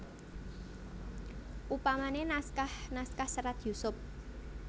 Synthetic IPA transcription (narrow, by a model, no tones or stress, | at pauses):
ʔupamanenaskahnaskahsəɾat̪jusʊp̚